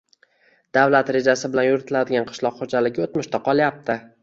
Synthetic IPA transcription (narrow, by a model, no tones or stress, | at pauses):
d̪̥avlat̪ɾe̞d͡ʒasɪbɪlanjʊɾɪt̪ʰɪlad̪ɪɡʲanqʰɨ̥ʃlˠɒqχod͡ʒalɪɡʲɪot̪mʊʃt̪ʰaqʰɒlˠjap̚t̪ʰɪ